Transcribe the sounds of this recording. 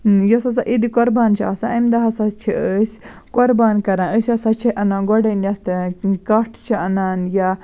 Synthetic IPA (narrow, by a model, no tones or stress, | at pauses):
jɔsɐsaʔid̪ikɔɾbaːnt͡ʃʰiasãɐmd̪ɐɦɐsɐt͡ʃʰiəsʲ | kɔɾbaːnkɐɾãːəsʲɐsɐt͡ʃʰiʔɐnãːɡɔɽɐnjɐt̪kɐʈʰt͡ʃʰiɐnaːnja